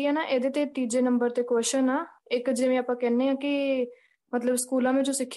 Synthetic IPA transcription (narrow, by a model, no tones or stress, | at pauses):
ãːnaːʔeːd̪eːt̪eːt̪iːd͡ʒeːnəmbəɾt̪eːkɛːʃənaːɪkd͡ʒeːʋẽːaːpãːkɛːneːãːkɪ | mət̪ləbskuːlãːmẽːd͡ʒoːsɪkʰː